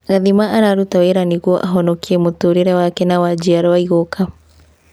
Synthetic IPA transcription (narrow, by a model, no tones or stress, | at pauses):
ɣaðimaʔaɾaɾutaweɾaniɣwɔʔaɦɔnɔkiemotoɾeɾɛwakɛnawad͡ʒiaɾɔwaiɣokʰa